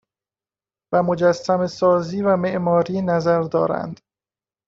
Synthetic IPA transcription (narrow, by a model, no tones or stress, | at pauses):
væmo̞d͡ʒæsːæme̞sɒːziːvæme̞ʔmɒːɾiːnæzæɾd̪ɒːɾæ̰nd̪̥